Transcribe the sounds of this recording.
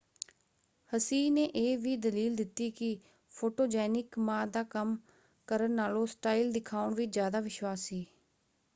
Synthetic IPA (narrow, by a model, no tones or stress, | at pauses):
həsiːneːʔeːʋiːd̪əliːld̪ɪt̪ːiːkɪ | pʰoːʈoːd͡ʒɛːnɪkmãːd̪aːkəm | kəɾənːaːlõːsʈaːild̪ɪkʰaːʊɳʋɪzjaːd̪aːʋɪʃwaːsiː